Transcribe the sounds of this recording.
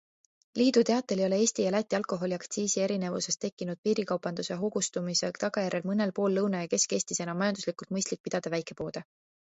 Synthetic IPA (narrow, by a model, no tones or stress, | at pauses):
liːd̪̥ut̪e̞ɑt̪ːˑe̞ljo̞le̞e̞ːsʲt̪ijɑlæt̪ʲːˑiɑlko̞ɦo̞liɑkt̪siːsieɾine̞vuse̞st̪e̞kːinud̪̥̚piːɾikɑwpɑnd̪̥use̞ɦoɡ̥ust̪umisekt̪ɑɡ̥ɑjæɾe̞lmɤne̞lpo̞ːlːɤwnɑjɑke̞ske̞ːst̪isenɑmɑjɑnd̪uslikult̪̚mɤjst̪lik̚pid̪̥ɑd̪̥ɑvæjkˑe̞po̞ːd̪̥e